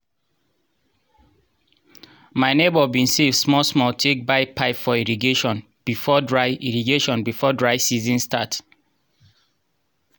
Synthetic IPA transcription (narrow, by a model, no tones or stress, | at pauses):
maɪnebɔbĩnsefsmɔsmɔtʰek̚baɪpʰaɪpfɔiɹiɡeʃɔ̃n | b̥ifɔdɹaɪiɹiɡeʃɔ̃nbifɔdɹaɪsizĩnstat